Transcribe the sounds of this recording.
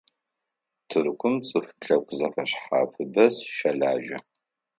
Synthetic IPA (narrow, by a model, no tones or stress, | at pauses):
tʰɨrkʷʊmt͡sʼɨfɬʼɐkʷʰʼzɐfɐɕħa̰ːfʰɨbɐsʃɐɮaːʒɐ